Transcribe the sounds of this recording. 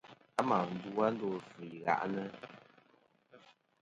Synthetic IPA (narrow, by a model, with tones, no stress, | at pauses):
a˦ma˨n̩˨˦du˦a˦n̩˦do˨fɨ˨i˨ɣa̰˨ʔnə˦